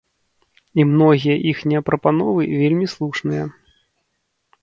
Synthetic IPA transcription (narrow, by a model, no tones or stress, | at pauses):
imn̪ɔɣʲijɐʔixnʲɛɐpɾɐpanɔvɨvʲelʲmʲislˠuʂnɨjɐ